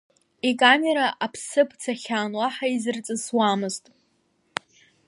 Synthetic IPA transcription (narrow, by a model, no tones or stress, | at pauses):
ikʼame̞ɾaʔapʰsɨpʰt͡sʰaχʲaːnwaħaizɨrt͡sʼɨswamɨztʼ